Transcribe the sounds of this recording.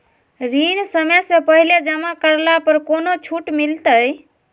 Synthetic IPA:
ɾinsəmesẽpəɦiled͡ʒəmakəɾlapəɾkonot͡ʃʰuʈmilt̪əj

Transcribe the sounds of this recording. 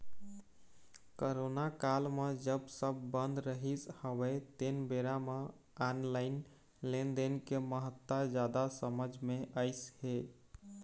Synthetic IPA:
koɾonakalmed͡ʒəbsəbːənd̪ɾəɦishəbɛt̪enbeɾame | anlaɪn | lend̪enkeməɦət̪ːəd͡ʒad̪asəməd͡ʒʱmeʔəɪshe

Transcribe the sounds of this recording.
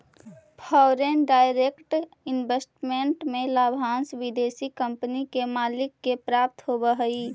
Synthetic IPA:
pʰɔːɾenɖaːɪɾekʈ | ɪnbesʈmeɳʈmẽlaːbʱãːnsʋid̪eːsikəmpənikemaːlɪkːepɾaːp̚t̪ɦobəɦəi

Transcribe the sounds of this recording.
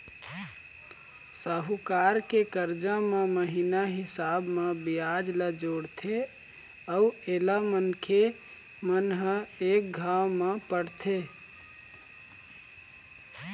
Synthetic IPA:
səɦukaɾkekəɾd͡ʒameməɦinaɦisabmebijad͡ʒləd͡ʒoɽt̪ʰe | auelamənkʰe | mənɦəek̚ɡʱawmepəɽt̪ʰe

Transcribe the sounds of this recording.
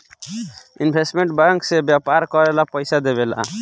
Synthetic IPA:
inbʱesʈmẽɳʈbãŋksebjapaɾkɔɾelapəjsad̪ebela̰

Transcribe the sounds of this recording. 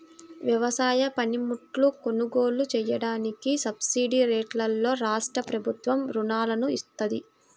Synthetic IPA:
ʋjɐʋɐsaːjɐpɐnimuʈluko̞nuɡo̞ːlut͡ʃɛjɐɽaːnikisɐbsiːɖiɾeːʈlɐlːo̞ːɾaːʂʈɾɐpɾɐbʱut̪ʋɐmɾunaːlɐnuist̪ɐd̪i

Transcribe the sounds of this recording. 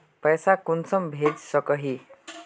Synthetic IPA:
pəjsakunsəmbʱed͡zsəkəɦi

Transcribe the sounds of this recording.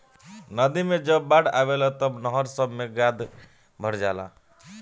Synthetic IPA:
nəd̪imed͡ʒəbːaɽa̰ʋelat̪əbnəɦəɾsəbmeɡad̪ʱ | bʱəɾd͡ʒala̰

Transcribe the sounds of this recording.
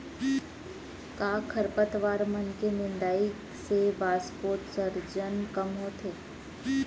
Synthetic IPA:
kaːkʰəɾpət̪ʋaːɾmənkenɪnd̪aːi | seʋaːspoːt̪səɾd͡ʒənkəmɦoːt̪ʰeː

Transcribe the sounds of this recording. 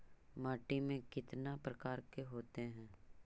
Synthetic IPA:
maːʈimẽkɪt̪napɾəkaːɾkeɦoːt̪eɦɛ̃ː

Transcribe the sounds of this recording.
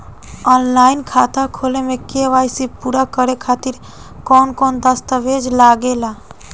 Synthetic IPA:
ɔnlainkʰat̪akʰolemekeʋajsipuɾakəɾekʰat̪iɾ | kɔnkɔnd̪əst̪əʋed͡ʒlaɡela

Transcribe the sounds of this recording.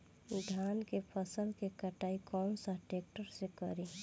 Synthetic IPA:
d̪ʱjankepʰəsəlkekəʈaːikɔmsaʈek̚ʈəɾsekəɾi

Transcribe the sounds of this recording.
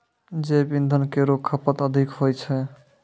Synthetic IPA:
d͡ʒebind̪ʱənkeɾokʰːəpət̪əd̪ʱikɦojt͡ʃʰɛ

